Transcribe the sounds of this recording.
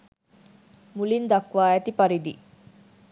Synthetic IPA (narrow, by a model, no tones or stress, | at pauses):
mulind̪ɐkʋaːæt̪ipɐɾid̪i